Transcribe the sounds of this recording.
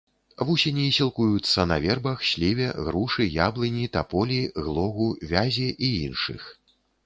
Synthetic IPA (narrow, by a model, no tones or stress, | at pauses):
vusʲenʲisʲilˠkujut̪sːɐnɐ̰vʲɛrbɐxɕʲlʲivʲɛɣɾuʂɨjablʲˠɨnʲit̪apɔlʲiɣlˠɔɣuvʲazʲiʔijinʂɨ̰x